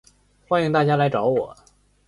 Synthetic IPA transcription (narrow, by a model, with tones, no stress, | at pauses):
xwa˥ni˧˥ŋt̪a˥˩t͡ɕja˥la˧˥ɪʈ͡ʂɑ˧˥ʊwɔ˨˩˦